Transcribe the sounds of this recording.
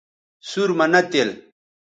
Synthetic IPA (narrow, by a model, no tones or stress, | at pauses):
suɾmɐnɐt̪el